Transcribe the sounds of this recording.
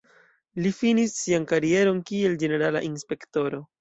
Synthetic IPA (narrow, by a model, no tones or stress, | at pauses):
lifinisːiankaɾie̞ɾo̞nkie̞ld͡ʒe̞ne̞ɾala̰ʔinspe̞kto̞ɾo̞